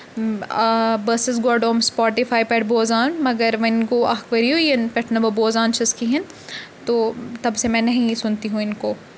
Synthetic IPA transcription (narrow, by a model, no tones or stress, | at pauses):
bɐsɪs̬ɡoːɾɖoːmspɔːʈɪfʰaːipɛːʈboːzaːnmɐɡəɾʋɐɪnkoa̰ɦkʋɐɾioenpɛʈʰnɐbɐboːzaːnt͡ʃɐskiɦɛ̃n | t̪oːt̪ɐbsemɛ̃ːnɐɦĩsʊnt̪iɦũɪnkoː